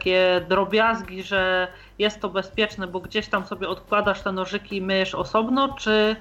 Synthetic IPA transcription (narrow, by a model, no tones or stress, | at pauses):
kʲɛd̪ɾɔbʲjazɡʲiʐɛ | jɛst̪ːɔbɛspʲjɛt͡ʂnɛbɔɡd͡ʑeɕt̪amsɔbʲjɛɔt̪kwad̪aʂt̪ɛnɔʐɘkʲimɘʂɔsɔbnɔt͡ʂɘ